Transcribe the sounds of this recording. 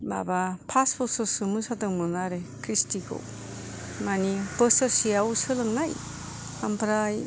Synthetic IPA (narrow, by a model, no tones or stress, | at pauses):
ba̰bapʰaspʰɔsɔsɯmɯsadɯŋmɯnaɾekʰɾistikʰɯ̰w | manibəsɐɾsijawsɯlɯŋnaj | hampʰɾaj